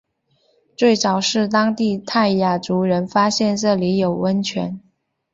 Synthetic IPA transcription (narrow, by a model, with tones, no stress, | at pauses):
t͡swe˥˩ɪt͡sɑ˨˩ʊʂɻ̩˥˩t̪ɑ˥ŋt̪i˥˧t̪ʰa˥˩ɪja˨˩t͡su˧˥ɻə˧˥nfa˥ɕjɛ˥˧nʈ͡ʂɤ˥˩li˧˥jo˨˩ʊwə˥nt͡ɕʰɥɛ̰˧˥n